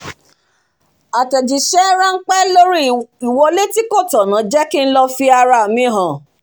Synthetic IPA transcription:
a˨tɛ˨d͡ʒi˨ʃɛ˦ɾã˦ŋ̩˦k͡pɛ˦lo˦ɾi˦i˨wɔ˧le˦ti˦ko˦˨tɔ˨nã˨˦d͡ʒɛ˦ki˦n̩˦lɔ˧fi˧a˧ɾa˧˨mĩ˧˦ɦã˨

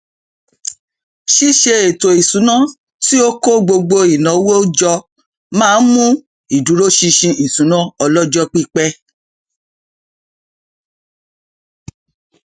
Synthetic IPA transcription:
ʃi˦ʃe˧e˨to˨i˨sũ˨˦nã˦ | ti˦o˦ko˦ɡ͡bo˧ɡ͡bo˧i˨nã˨˦wo˦d͡ʒɔ˧ | mãː˦˧˦n̩˦mũ˦ | i˨du˨˦ɾo˦ʃi˧ʃĩ˧i˨sũ˨˦nã˦ɔ˧lɔ˦d͡ʒɔ˦k͡pi˦k͡pɛ˦

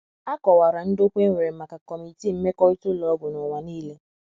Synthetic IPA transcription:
a˦kɔ˨wa˨ɾa˨n̩˦do˦kʷe˦ŋ˦ŋʷe˨ɾe˨˦ma˨ka˨kɔ˨mi˨ti˦˨m̩˦me˦kɔ˦i˦tʊ˦lɔ˨ɔ˦ɡʊ˨nʊ˨ŋʷa˨niː˦le˦

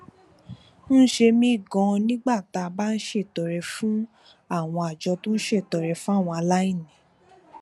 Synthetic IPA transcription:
n̩˦ʃe˧mĩ˧˦i˦˨ɡɔ̃˧nĩ˦ɡ͡ba˦˨ta˧ba˦n̩˦ʃe˦˨tɔ˨ɾɛ˨fũ˦ | a˦˨w̃ɔ̃˧a˨d͡ʒɔ˧tũ˦n̩˦ʃe˦˨tɔ˨ɾɛ˨fũ˦a˦˨w̃ɔ̃˧a˧la˦ĩ˦˨nĩ˨˦

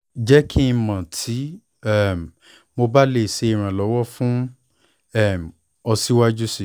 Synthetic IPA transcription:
d͡ʒɛ˦kʰĩ˦˧mã˨tʰi˨˦ | ɛ˦˨m | mo˧ba˦le˦˨se˧i˨ɾ̃ã˨lɔ˨˦wɔ˦fũ˦ | ɛ˦˨m˨ | ɔ˧si˦wa˦d͡ʒu˦si˦˨

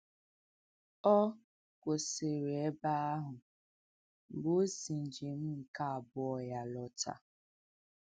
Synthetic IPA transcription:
ɔ˦ | ko˨se˨ɾe˨e˦ba˦a˦ɦʊ˨ | bo˦si˨n̩˨d͡ʒi˨m̩˦˨ka˦a˨bʊ˦ɔ˨ja˨lɔ˦ta̰˨

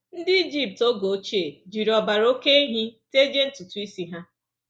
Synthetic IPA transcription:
n̩˦dɪ˦i˦d͡ʒi˦p̚to˦ɡo˨˦t͡ʃe˨d͡ʒi˨ɾɔ˨ba˨ɾo˦ke˦e˦ɦi˦te˦d͡ʒe˦n̩˦tu˨tu˨˦i˦si˨ɦa˦

